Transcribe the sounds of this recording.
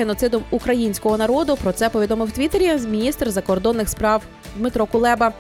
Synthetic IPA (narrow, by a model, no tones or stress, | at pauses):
enɔt̪sɪd̪ɔmukɾɐjinʲsʲkɔɦɔnɐɾɔd̪ʊpɾɔt̪sɛpɔʋʲid̪ɔmɪwt̪ʋʲit̪eɾʲimʲinʲist̪rzɐkɔrd̪ɔnːɪxspɾɑw | d̪met̪ɾɔkʊlˠɛbɐ